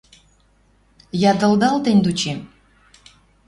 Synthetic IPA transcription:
jɑd̪ə̆ld̪ɑlt̪ĕnʲd̪ut͡ɕe

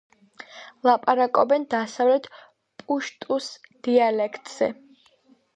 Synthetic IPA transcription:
lˠapʼaɾakʼɔbɛnd̪asavlɛt̪ʰ | pʼuʃt̪ʼusd̪̥ialɛkʰt̪ʼz̥ɛ̰

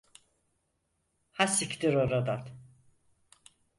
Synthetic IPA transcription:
hasikd̪iɾoɾad̪at̪

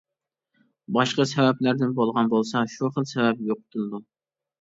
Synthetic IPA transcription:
bɑʃqɑsɛvɛplæɾd̪ɪnbolˠʁɑnbolˠsɑʃuχəlˠsɛvɛp̚joq̚t̪ʰɨlˠɨd̪u

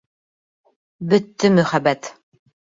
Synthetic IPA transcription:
bɵ̆t̪ːɘmɵ̆χæbæt̪

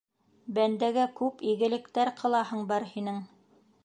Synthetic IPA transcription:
bænd̪æɡækʉpiɡɘ̆lɘ̆kt̪æɾqʰɤ̆lˠɑɦɤɴbɑɾhinɘŋ

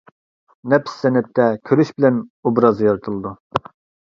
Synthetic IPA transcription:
nɛpsːɛnɛp̚t̪ʰɛkʲʰøɾyʃbɪlɛnubɾɑzjɑɾt̪ʰɨlˠɨd̪u

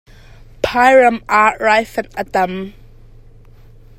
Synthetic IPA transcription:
pʰajɹəmaːʔɹajfənət̪əm

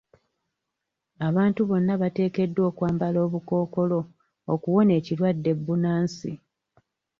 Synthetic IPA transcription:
aβaːntuβo̞nːaβate̞ːke̞dːwo̞ːkwaːmbalo̞ːβuko̞ːko̞lo̞ | okuwo̞ne̞ːciɾwadːe̞bːunaːnsḭ

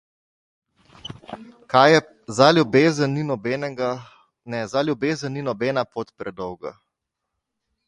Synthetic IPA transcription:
kajɛ | zalʲjubeːzənːinɔbɛnɛɡa | nɛzaljubeːzənːinɔbɛːnapot̪pɾɛd̪ɔwɡa̰

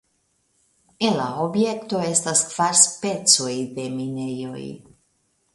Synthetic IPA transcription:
elaobje̞kto̞e̞staskv̥aɾspe̞t͡so̞jde̞minejo̞̰j

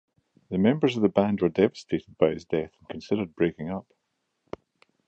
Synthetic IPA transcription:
ðəmɛ̃mbə˞zəvðəbãndwə˞dɛvəstʰeʔɪd̚baɪɪzdɛθə̃nkʰə̃nsɪdə˞d̚bɹekɪ̃ŋʌp

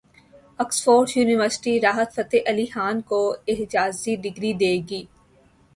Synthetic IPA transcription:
ɐksfoːɾsjuːnɪʋəɾsɪ̥ʈiɾaːɦət̪fɐt̪eʔɐlixaːnkoɪɦd͡ʒaːzid̪ɪɡɾid̪eːɡiː

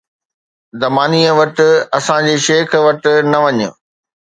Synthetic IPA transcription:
zɐmaːniːəʋɐʈɪ̆ɐsãd͡ʑeːʃeːkʰʋɐʈɪ̆nɐʋɐɲʊ̰

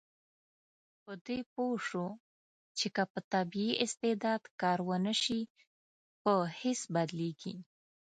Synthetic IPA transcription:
pəd̪epoʂo | t͡ʃekəpət̪abiiʔɪst̪ɪd̪ɑd̪kɑɾwənəʃi | pəhɪsbad̪leɡḭ

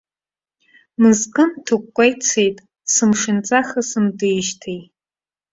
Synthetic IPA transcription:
mɨzkʼɨntʰukʷːʼajt͡sʰejtʼ | sɨmʂɪnt͡sʼaχasɨmdɨjʃtʰej

